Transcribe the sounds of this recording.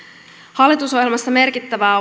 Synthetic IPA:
hɑlːit̪uso̞ɦjelmɑst̪ɑme̞rkit̪ːæʋæː

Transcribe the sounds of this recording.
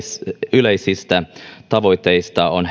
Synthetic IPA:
yleisist̪æt̪ɑʋo̞it̪ːeist̪ɑon

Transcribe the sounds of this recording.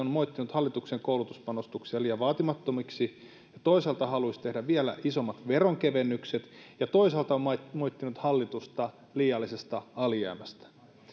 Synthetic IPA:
onmoit̪ːinut̪hɑlːit̪ukseŋkoulut̪uspɑnost̪uksiɑliːjɑʋɑːt̪imɑt̪ːomiksi | jɑt̪o̞isɑlt̪ɑhɑluist̪e̞hdæʋielæ̰iso̞mːɑt̪ʋeroŋkeʋenːykset̪jɑt̪o̞isɑlt̪ɑmɑmoit̪ːinut̪hɑlːit̪ust̪ɑ | liːjɑlːisest̪ɑɑlijæ̰ːmæst̪æ̥

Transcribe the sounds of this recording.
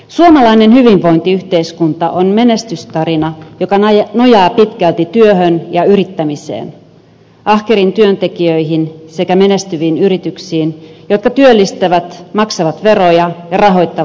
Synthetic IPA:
suomɑlɑinenhyʋiɱʋo̞int̪iyht̪eiskunt̪ɑʔonme̞nest̪yst̪ɑɾinɑjo̞kɑno̞jɑːpit̪kælt̪it̪yøɦønjɑyɾit̪ːæmisḛːn | ʔɑhkeɾint̪yønt̪e̞kiøiɦinsekæme̞nest̪yʋiːnyɾit̪yksiːnjo̞t̪kɑt̪yølːist̪æʋæt̪mɑksɑʋɑt̪ʋe̞rojɑjɑrɑɦo̞jt̪ːɑ

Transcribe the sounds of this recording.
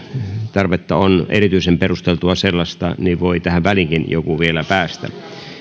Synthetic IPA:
t̪ɑrʋet̪ːɑoneɾit̪yisemperust̪elt̪uɑselːɑst̪ɑ̰niʋʋoit̪æhæʋæliŋkinjo̰kuʋielæpæːst̪æ̰

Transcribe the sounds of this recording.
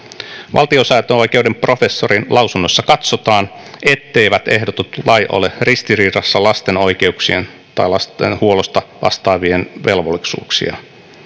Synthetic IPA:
ʋɑ̰lt̪io̞sɑjt̪oo̞jke̞wdempro̞fe̞sːoɾinlɑwsunːo̞sːɑkɑt̪sot̪ɑːn | e̞t̪ːe̞jʋæt̪e̞hdot̪ut̪lɑjʔo̰lerist̪iriːɾɑsːɑlɑst̪e̞no̞jke̞uksie̞̰n | t̪ɑjlɑst̪ḛnhuo̞lost̪ɑʋɑ̰st̪ɑːʋie̞nʋe̞lʋolːisṵːksḭɑ̰

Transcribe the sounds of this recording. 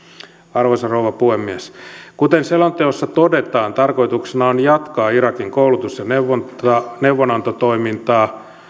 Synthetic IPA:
ɑrʋosɑrouʋɑpuhemːiæskut̪enselont̪eosːɑt̪odet̪ɑːnt̪ɑrko̞it̪uksenɑonjɑt̪kɑːirɑkiŋkoulut̪usjɑneʋonɑneuʋːonɑnt̪ot̪oimint̪ɑː

